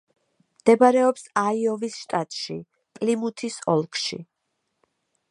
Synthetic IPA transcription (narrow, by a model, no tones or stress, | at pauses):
md̪̥ɛbaɾɛɔpsaiɔvisʃt̪ʼat̪ʼʃi | pʼlimut̪ʰisɔ̰lˠkʼʰʃḭ